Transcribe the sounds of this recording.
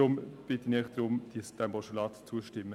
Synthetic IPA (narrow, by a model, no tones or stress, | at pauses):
ʊmb̥ɪt̪ːənɛːχd̥̪ɾʊmd̥isd̪̥æmbɔʃulɑːtt͡suəʃtɪmːə